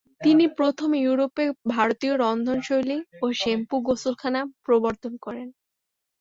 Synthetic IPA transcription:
t̪inipɾot̪ʰomjuɾopebʱaɾot̪ioɾɔnd̪ʱonʃojlioʃempuɡosulkʰanapɾoboɾt̪onkɔɾen

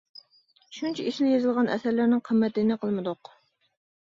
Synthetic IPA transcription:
ʃunt͡ʃʰɛiʃlɪjezɨlˠʁɑnʔɛ̰sæɾlæɾnɪŋqʰəmːɛt̪ɪnɪqʰəlˠmɨd̪ʊq

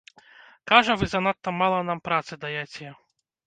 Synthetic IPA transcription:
kaʐɐvɨzɐnat̪ːɐmalˠɐnampɾat̪sɨd̪ajat͡sʲɛjɛ

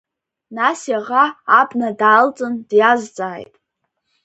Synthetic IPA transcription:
nasjaʁaːbʰnadaːlt͡sʼɨndjazt͡sʼaːjtʼ

